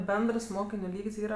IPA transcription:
ˈbʲɛndrs ˈmoːkʲɪnʲʊ ˈlʲiːkʲsʲ ˈiːrɐ

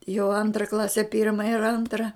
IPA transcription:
jɛʊ ˈɐntrɐ ˈklˠɑːsʲɛ ˈpʲɪrmɐ ɪr ˈɐntrɐ

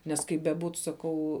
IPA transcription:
nʲɛs ˈkɐɪp bʲɛˈbuːt sɐˈkɐʊ

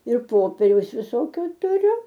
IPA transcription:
ɪr ˈpoːpʲɛrʲɛʊs ʋʲɪˈsoːkʲoː tʊˈrʲʊ

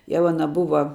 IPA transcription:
ˈjɛʊ ɐˈnɐ ˈbʊʋɐ

